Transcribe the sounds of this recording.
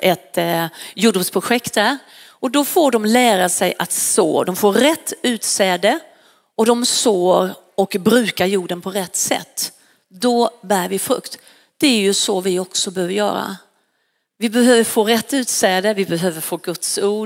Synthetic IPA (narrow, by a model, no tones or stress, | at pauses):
ʔɛt̪juːɖuːspʰɾʊɧɛkt̪̚d̪æɾ | ɔd̪ɔfoːɖɔmlæːɾasɛjʔat̪so̰ːd̪ɔmfoːɾːɛt̪ʰːʉ̟ːt̪sɛːd̪ə | ɔd̪ɔmsoːɾ | ɔkbɾʉ̟ːkaɾjuːɖənpʰɔɾɛt̪ːsɛ̰t̪ː | d̪ɔbæːɾvɪfɾɵ̰kt̪ | d̪̥ɛæɾjɵsɔvɪɔksɔbɛhøːvəɾjœ̰ːɾa̰ | vɪbɛɦøːvəɾfoːɾɛt̪ːʉ̟ːt̪sɛːd̪əvɪbɛɦøːvəɾfoːɡɵt̪suː